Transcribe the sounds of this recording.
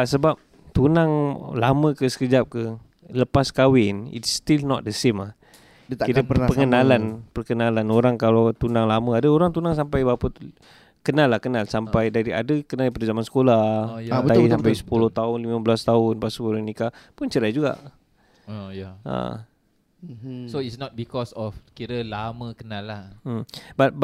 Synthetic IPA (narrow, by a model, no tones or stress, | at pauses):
səbap̚ | t̪unaŋlamə̃kəsə̥kəd͡ʒap̚kə | ləpaskawɪnḭtst̪ilnɔt̪̚d̪əsemah | kiɾəppəŋənalanpərkənalanoɾaŋkalawt̪unãŋlamə̃adəoɾaŋt̪unaŋsampajbapə | kənalːahkənalsampajdaɾia̰dəkənaldipadazamansə̥kolad̪asampajsə̥pulʊht̪aʊnlimabəlast̪aʊnbasəpulonikapʊnt͡ʃəɾajd͡ʒuɡa̰ʔ | ojaə̰ | soitsnɔt̪̚bikɔsɔfkiɾəlaməkənalːahm̩bat̪̚b